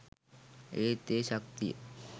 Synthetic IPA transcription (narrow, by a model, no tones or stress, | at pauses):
eːt̪eːʃək̚t̪ḭjə̰